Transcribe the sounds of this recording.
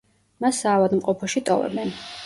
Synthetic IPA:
masːaːvad̪mqʼɔpʰɔʃit̪ʼɔvɛ̰bɛn

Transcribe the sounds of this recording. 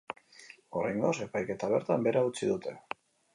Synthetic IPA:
o̞ɾajŋɡose̞pajke̞t̪aβ̞e̞ɾt̪ambe̞ɾaut͡siðut̪e̞

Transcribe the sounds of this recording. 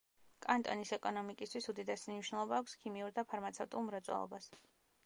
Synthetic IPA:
kʼant̪ʼɔnisɛkʼɔnɔmikʼist̪ʰwisud̪id̪ɛsimniʃwnɛlˠɔbaːkʷʰskʰimiuɾd̪apʰaɾmat̪sʰɛvt̪ʼṵlˠmɾat̪sʼɛ̰lˠɔ̰bas

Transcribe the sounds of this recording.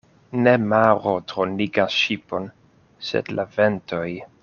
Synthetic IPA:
ne̞maɾotɾoniɡaʃipo̞n | sḛdlavento̞j

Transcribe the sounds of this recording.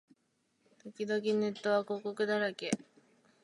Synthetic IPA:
t̪o̞kʲid̪o̞k̬ʲine̞t̪ːo̞βako̞ːko̞kɯ̟d̪aɾake̞

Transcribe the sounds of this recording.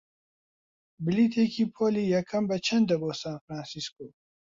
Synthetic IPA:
bɪliːt̪ʰekʰiːpʰoːliːjɛkʰːɐmbɐt͡ʃʰɐnd̪ɐboːsaːnfɾaːnsiskoː

